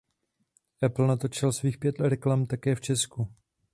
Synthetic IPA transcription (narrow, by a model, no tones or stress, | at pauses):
ʔɛpl̩nat̪ot͡ʃɪlsviːxpjɛt̪ɾɛklamt̪akɛːft͡ʃɛsku